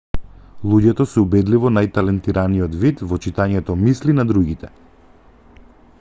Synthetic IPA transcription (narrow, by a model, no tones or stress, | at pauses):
lˠuɟɛt̪ɔsɛubɛd̪livɔnajt̪alɛnt̪iɾʔanijɔt̪vit̪vɔt͡ʃit̪aɲɛt̪ɔmislinad̪ɾuɡit̪ɛ